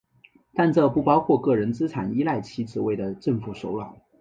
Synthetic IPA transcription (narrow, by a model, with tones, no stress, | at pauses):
t̪a˥˧nʈ͡ʂɤ˥˧pu˥˩pɑ˥ʊkʰwɔ˥˧kɤ˥˩ɻə˧˥nt͡sɹ̩˥ʈ͡ʂʰa˨˩ni˥la˥˩ɪt͡ɕʰi˧˥ʈ͡ʂɻ̩˨˩we˥˩ɪd̪ə˩ʈ͡ʂə˥˩ŋfu˧˩ʂo˧˥ʊlɑ˨˩˦ʊ˦